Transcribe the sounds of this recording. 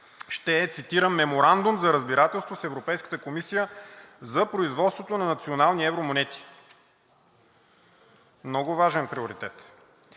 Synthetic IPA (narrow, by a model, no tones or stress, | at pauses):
ʃt̪ɛːt̪sit̪iɾəmːɛmoɾand̪umzɐɾəzbiɾat̪ɛlˠst̪vosɛvɾopɛjskə̥t̪əkomisijəzɐpɾoizvɔt̪st̪vot̪onɐnɐt̪sionalˠniɛvɾomonɛt̪i̥ | mnɔɡʊvaʒɛnpɾioɾit̪ɛt̪